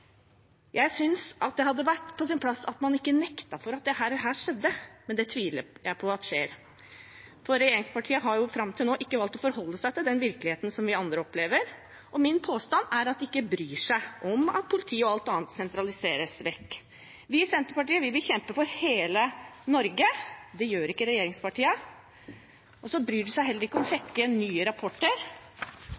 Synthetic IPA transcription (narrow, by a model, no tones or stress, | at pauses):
jæɪsʏnsʔɑt̪̚d̪ɛhɑd̪ːəʋæʈːpʰɔsɪnpʰlɑsːɑ̰t̪mɑnɪkːənɛkt̪ɑfɔɾɑt̪̚d̪ɛhæːɾæɦæːʂɛd̪ːəmɛnd̪ɛt̪ʰʋiːlə̰jæɪpʰɔɑt̪ʂeːɾ | fɔɾɛjeːɾɪŋspɑʈʰiːəɦɑɾjʊfɾɑmt̪ʰɪlnoːʔɪkːəʋɑlt̪ɔfɔɾhɔlːəsæɪt̪ɪld̪ɛnʋɪɾklɪheːt̪ən̩sɔmʋɪɑnd̪ɾəɔpleːʋəɾ | ʔɔmɪnpʰoːst̪ɑnæɾɑt̪̚d̪ɛɪkːəbɾyːʂæɪʔɔmɑ̰t̪̚pʰʊlɪt̪ʰiːəɔɑlt̪ɑːnt̪sɛnt̪ɾɑlɪseːɾəsʋɛkː | ʋɪsɛnt̪əɾpɑʈiːəʋɪʋɪlçɛmpəfɔɾheːlənɔɾɡəd̪ɛjøːɾɪkːəɾɛjeːɾɪŋspɑʈiːə | ɔsɔbɾyːɖʉsæɪɦɛlːəɾɪkːəɔmɔɕɛkːənyːəɾɑpʰɔʈːəɾ